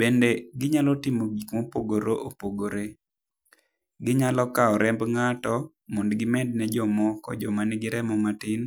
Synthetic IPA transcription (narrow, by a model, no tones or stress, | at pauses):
b̥endeɡɪɲalɔtɪmoɡikmopoɡoɾoʔopoɡoɾe | ɡɪɲalɔkaɔɾɛmbŋatɔ | mondɡɪmɛd̚nɛd͡ʒɔmɔkɔd͡ʒɔmanɡɪɾɛmɔmatɪn